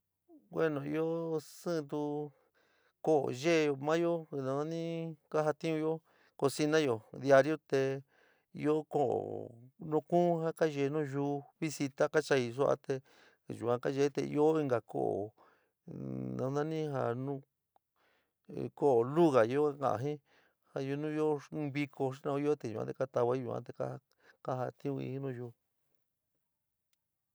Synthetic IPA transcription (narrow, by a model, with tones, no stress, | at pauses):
ɡwe˦nõ˨i˧o˦sɨ̃˦˧t̪̬u˧ | ko˦˨ʔo̰˨ʒe˦˧o˧mã˦jo˦˧nã˧nã˦nĩ˦ka˦ɦa˧t̪ĩ˦ũ˧jo˦ | ko˧si˧nã˦jo˨d̪ja˧ɾjo˦t̪e˧ | ḭ˧o˦ko˦˨o̰˨nũ˧kũ˦hã˦ka˦ʒe˧˨˧nũː˦ʒuː˧βi˦si˧t̪a˦ka˦t͡ʃa˧i˧s̬u˦ʔa̰˧t̪e˧ | ʒu˨kã˧ka˦ʒe˧˦t̪e˧ḭ˧o˦i˧ŋɡa˨kʰo̰˦˨ʔo̰˨ | nã˧nã˦nĩ˦ɦa̰˧nũ˦ | ko˦o˨lu˦ɣa˨i˧o˦kã̰˨ʔã̰˧˨ɦĩ˦ | ha˧ju˧nũ˦i˦o˦˧βi˧kʰo˧ʃ̬i˦nã˧˦i˦o˦t̪e˧˨ʒu˨ã̰˦t̪e˧ka˦t̪a˧βa˦i˦ʒu˨kã̰˧t̪e˧ka̰˦˧ | ka˦ɦa˧t̪ĩ˦ũ˧ḭ˧hĩ˦nũ˦˧ʒuː˧